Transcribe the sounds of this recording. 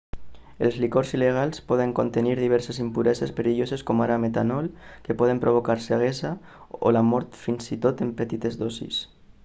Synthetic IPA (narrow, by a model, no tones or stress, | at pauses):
elzlikoɾzileɣ̞alˠspɔð̞eŋkont̪eniɾðiβ̞ɛɾsezimpuɾɛzespeɾiʎozeskomaɾamet̪anɔlkepɔð̞empɾoβ̞okaɾseɣ̞ɛza | o̰lamɔɾt̪finsit̪ot̪empet̪it̪ezðɔsḭs